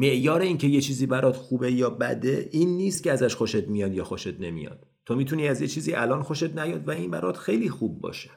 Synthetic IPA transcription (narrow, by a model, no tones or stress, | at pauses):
me̞ʔjɒːɾe̞iːncʰe̞jet͡ʃʰiːziːbæɾʔɒːd̪̥xuːbe̞jɒːbæd̪e̞ʔiːnːiːst̪̚cʰeæzæʃxoʃet̪̚mijɒːd̪jɒːxoʃet̪ne̞mḭjɒ̰ːd̪̥̚ | t̪ːʰomiːt̪ʰuniːæzjet͡ʃʰiːziːʔælɒːnxoʃet̪næjɒːd̪væinbæ̰ɾʔɒ̰ːd̪̥xe̞jliːxubːɒ̰ːʃe̥